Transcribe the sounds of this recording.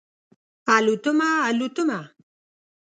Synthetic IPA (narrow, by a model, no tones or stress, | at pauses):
palut̪umaːlut̪uma